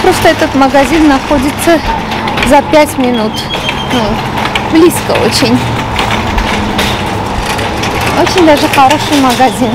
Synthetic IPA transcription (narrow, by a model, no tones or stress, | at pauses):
pɾost̪əɛt̪ət̪məɡɐzʲinːɐxodʲɪt̪sə | zɐpʲætʲmʲɪnut̪ | nu | blʲiskə̰o̰t͡ɕɪnʲ | ot͡ɕɪnʲd̪aʐɨxɐɾo̞ʂɨjməɡɐzʲin